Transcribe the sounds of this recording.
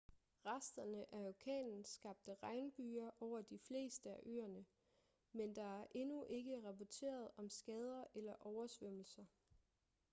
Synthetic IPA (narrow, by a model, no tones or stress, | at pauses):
ʁɑsd̥ɐnəʔæokʰɛ̰ːnn̩sɡ̥ɑ̈b̥̚d̥əʁɑ̈ɪnb̥yːɐʔɒʊ̰ɐd̥ifle̝̰ːsd̥əæʔø̰ːɐnə | mend̥ɑ̈æɐʔe̝nuʔe̝ɡ̥əʁɑ̈pɒt͡sʰe̝̰ːɐð̞̩ˠɒ̽msɡ̥ɛːð̞ˠɐʔelɐʔɒʊɐsʋøm̰l̩sɐ